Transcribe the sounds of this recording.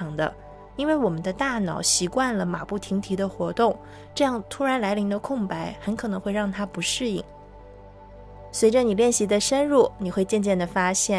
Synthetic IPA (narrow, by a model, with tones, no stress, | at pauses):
ɑ˧˥ŋd̪ə̰˧ | i˥nwe˥˩ɪwɔ˨˩mə˦nd̪ə˧t̪a˥˩nɑ˨˩ʊɕi˧˥kwa˥˩nlə˩ma˨˩pu˥˩t̪ʰi˧˥ŋt̪ʰi˧˥d̪ə˧xwɔ˧˥t̪ʊ˥˩ŋ | ʈ͡ʂɤ˥˧jɑ˥˩ŋt̪ʰu˥ɻa˧˥nla˧˥ɪli˧˥ŋd̪ə˧kʰʊ˥˩ŋpa˧˥ɪxə˧˥nkʰɤ˨˩nɤ˧˥ŋxwe˥˧ɪɑ˥˩ŋt̪ʰa˥pu˧˥ʂɻ̩˥˧i˥˩ŋ | swe˧˥ɪʈ͡ʂə˧ni˨˩ljɛ˥˩nɕi˧˥d̪ə˧ʂə˥nɻu˥˩ni˨˩xwe˥˧ɪt͡ɕjɛ˥˧nt͡ɕjɛ˥˩nd̪ə˩fa˥ɕjɛ˥˩